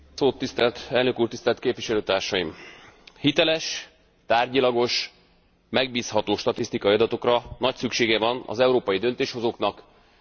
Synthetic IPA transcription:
soːt̪ːist̪ɛlt̪ɛlnøkuːrt̪ist̪ɛlt̪keːpviʃɛløːt̪aːrʃɒjimhit̪ɛlɛʃ | t̪aːrɟilɒɡo̞ʃ | mɛɡ̚biːshɒt̪oːʃt̪ɒt̪ist̪ikɒiɒd̪ɒt̪o̞krɒnɒcsykʃeːɡɛvɒnɒ̰zɛuɾoːpɒjid̪ø̞nt̪eːʃho̞zoknɒk

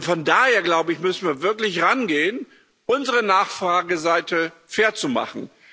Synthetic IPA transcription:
fɔndaːheːɐɡlaʊbəɪçmʏsn̩viːɐvɪɐklɪçʁanɡeːən | ʔʊnzəʁənaːχfʁ̥aːɡəzaɪtəfeːɐt͡suma̰χn̩

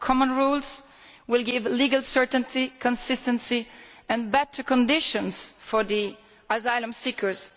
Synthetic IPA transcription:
kʰɔmə̃nɹulˠz | wɪlˠɡɪvliɡalˠsɜ˞tə̃ntikʰɔ̃nsɪstə̃nsiɛ̃nbɛtʰə˞kɔ̃ndɪʃɔ̃nsfɔɹði | azaɪlə̃msikə˞z̥

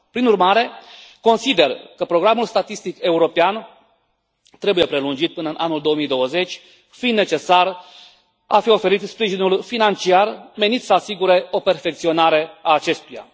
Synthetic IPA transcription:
pɾinurmaɾe̞ko̞nsid̪e̞rkəpɾo̞ɡɾamulst̪at̪ist̪ike̞uɾo̞pean | t̪ɾe̞buje̞pɾe̞lund͡ʒit̪̚pɨnəɨnʔanuld̪o̞omijd̪o̞wəze̞t͡ʃʲ | find̪ne̞t͡ʃe̞sar | afio̞fe̞ɾit̪spɾiʒinulfinant͡ʃiarme̞nit̪səasiɡuɾe̞o̞pe̞rfe̞k̚t̪sio̞naɾe̞aːt͡ʃe̞st̪uja̰

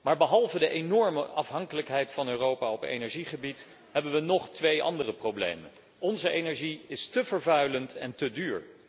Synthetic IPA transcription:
maːɹbəɦɑlˠvədəʔenɔɹməʔɑfɦɑŋkələkɦɛjtfɑnøːrowpaːɔpḛjnɛɹʒiχəbit | ɦɛbənʋənɔχtʋejʔɑ̰ndərəprowblḛjmə̰n | ɔnzəejnɛɹʒiɪstəvəɹvœɥləntʰɛntədyːɹ

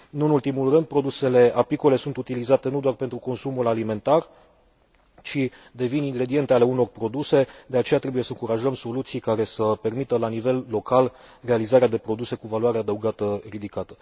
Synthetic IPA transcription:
ɨnuɨnult̪imulrɨnd̪̚pɾo̞d̪use̞le̞apikole̞sunt̪ut̪ilizat̪e̞nud̪oarpe̞nt̪ɾuko̞nsumulalime̞nt̪ar | t͡ʃid̪e̞viniŋɡɾe̞d̪ie̞nt̪e̞ale̞uno̞rpɾo̞d̪use̞d̪e̞at͡ʃe̞jat̪ɾe̞buje̞səɨŋkuɾaʒəmso̞lut̪sijkaɾe̞səpe̞rmit̪əlanive̞lːo̞kal | re̞alizaɾead̪e̞pɾo̞d̪use̞kuvalwaɾead̪əuɡat̪ərid̪ikat̪ə̥

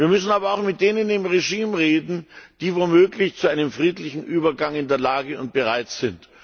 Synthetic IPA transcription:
viːɐmʏsn̩aːbɐaʊxmɪt̚d̥eːnəɪndeːmʁeʒiːmʁeːdn̩d̥iːvoːmøːɡlɪçt͡suʔaɪnəmfʁ̥iːtlɪçn̩ʔyːbɐɡaŋɪndeːɐlaːɡəʊnt̚b̥əʁaɪtz̥ɪnt

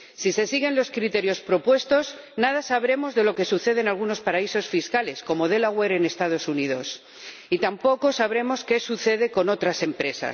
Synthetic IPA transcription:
sise̞siɣ̞e̞nlo̞skɾit̪e̞ɾjo̞spɾo̞pwe̞st̪o̞z | nað̞asaβ̞ɾe̞mo̞zðe̞lo̞ke̞suθe̞ð̞enalɣ̞uno̞spaɾaiso̞sfiskale̞sko̞mo̞ð̞e̞laɣwe̞ɾene̞st̪að̞o̞sunið̞o̞s | it̪ampo̞ko̞saβɾe̞mo̞ske̞suθe̞ðe̞ko̞no̞t̪ɾase̞mpɾe̞sa̰s

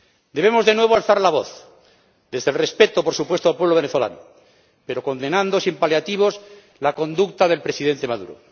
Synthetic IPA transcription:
d̪e̞β̞e̞mo̞zðe̞nwe̞βoalθaɾlaβoθ | d̪e̞zðe̞lrespe̞t̪opoɾsupwest̪oalpwe̞βloe̞neθo̞la̰no̰ | pe̞ɾo̞ko̞nd̪e̞nãnd̪osimpaljat̪iβ̞o̞s | lako̞nd̪ukt̪aðe̞lpɾe̞siðe̞nt̪e̞maðṵɾo̰

